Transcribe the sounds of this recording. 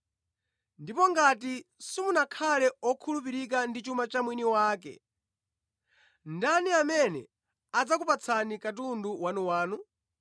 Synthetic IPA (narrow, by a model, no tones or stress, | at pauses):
ndipɔŋɡatisimunakʰalɛɔkʰulup̬iɾik̬andit͡ʃumat͡ʃamwiniwaːkɛ̰ | ndaniamɛnɛ̰ | ad͡zakupat͡sʰanikat̬unduwanuwaːnu